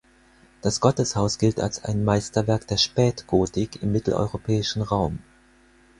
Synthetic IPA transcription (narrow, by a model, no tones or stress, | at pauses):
d̥asɡ̥ɔtəshaʊsɡ̥ɪlta̰lsa̰ɪnmaɪstɐvɛɐkd̥eːɐʃpɛːtɡ̥oːtɪkɪmːɪtl̩ʔɔ̰ʏʁopʰɛːɪʃn̩ʁaʊm